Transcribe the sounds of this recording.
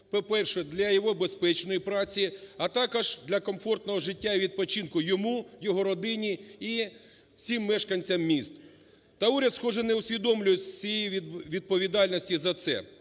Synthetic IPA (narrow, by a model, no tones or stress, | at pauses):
pɔpɛrʃɛd̪lʲɐjɔɦɔbespɛt͡ʃnɔjipɾɑt͡sʲiɐt̪ɑkɔʒd̪lʲɐkɔmfɔrt̪nɔɦɔʒɪtʲːaiʋʲid̪̚pɔt͡ʃinkʊjɔmujɔɦɔɾɔd̪ɪnʲii | wsʲimːɛʃkɐnʲt͡sʲɐmːʲist̪ | t̪ɐuɾʲɐd̪sxɔʒɛneʊsʲʋʲid̪ɔmlʲʊjɪsʲijejiʋʲid̪̚pɔʋʲid̪ɑlʲnɔsʲtʲizɐt̪sɛ̰